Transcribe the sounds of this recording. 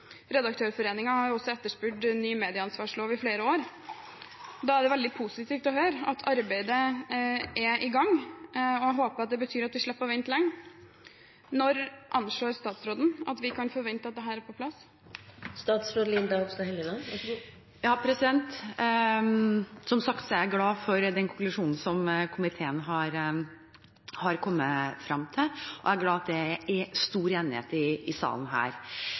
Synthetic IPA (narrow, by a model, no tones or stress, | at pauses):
ɾɛd̪ɑk̚t̪ʰøːɾfɔɾeːnɪŋɑhɑɾjʊɔsːɔɛt̪ːəʂpʉːɖnyːmeːd̪ɪəɑnsʋɑːʂloːʋɪfleːɾəoːɾ | d̪ɑæɖɛʋɛld̪ɪpʰusɪt̪iːft̪ɔɦøːɾɑt̪ʰɑɾbæɪd̪ə | ʔɛʔɪɡɑŋː | ɔɦoːpəɾɑt̪̚d̪ɛbət̪ʰyːɾɑt̪ʋɪʂɭɛpːəʋɪnt̪lɛŋː | nɔɾʔɑnʂɭoːɾst̪ɑːt̪sɾoːd̪n̩ɑ̰t̪ʋɪkʰɑnfɔʋɛnt̪əɑt̪d̪ɛɦæːɾæɾpɔpʰlɑs | st̪ɑːt̪sɾoːd̪lɪnd̪ɑɔksɑhɛlɪnɑ | jɑːpʰɾɛsɪd̪ɛnt̪ | sɔmsɑkt̪sɔæɾɡlɑːfɔɾd̪ɛnkʰʊŋklʉʂuːnn̩sɔmkʰʊmɪt̪ʰeːənɦɑɾ | hɑɾkʰɔmːəfɾɑmt̪ʰɪlʔɔ̰æɾɡlɑːɑt̪̚d̪ɛæst̪uːɾeːnɪhḛːt̪ɪɪsɑ̰ːln̩ɦæ̰ːɾ